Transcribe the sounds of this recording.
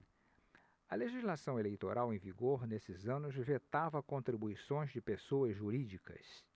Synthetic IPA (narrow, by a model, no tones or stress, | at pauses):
ɐleʒizlasɐ̃w̃elejt̪oɾʔawẽj̃viɡoɾnesɪzɐ̃nʊzvet̪avɐkõnt̪ɾibuisõj̃zd͡ʒɪpesoɐzʒuɾid͡ʒikɐ̰s